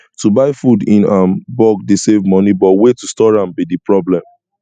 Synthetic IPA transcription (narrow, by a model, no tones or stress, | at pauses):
tubaɪfudĩnãnbɔɡ̚desevmɔnibɔwetustɔɹãmbidipɹɔblɛ̃m